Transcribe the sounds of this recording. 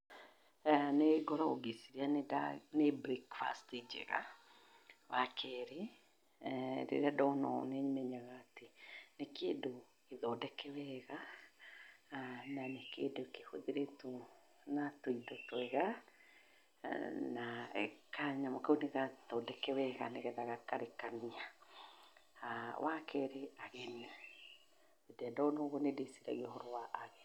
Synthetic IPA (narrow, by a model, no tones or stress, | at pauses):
neɡɔɾɔoɡisiɾeananebɾikfa̰stid͡ʒɛ̰ɣa̰ | wakʰɛɾe | ɾḛɾeadɔnɔ̰nɛɲmɛɲaɣaːtenekedo | eðɔdɛkɛwɛɣa | nanekedokehoðeɾeto | natoidɔtwɛɣa | naḛkaɲamakaoneɣatɔdɛkɛwɛɣa̰neɣɛðaɣakaɾekania | awakʰɛɾeaɣɛni | edɛndɔonoɣonedesiɾa̰ɣiɔhɔɾowaʔːɣɛ